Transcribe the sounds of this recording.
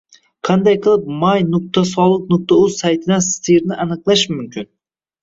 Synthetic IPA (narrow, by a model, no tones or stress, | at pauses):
qʰɑnd̪ɑjqʰɨlˠɨp̚mɑjnʊk̚t̪asɒlˠɨq̚nʊk̚t̪ʰauzsɑjt̪ʰɪd̪anst̪ʰiɾnɪʔɑnɨqlˠɑʃmymkʲyn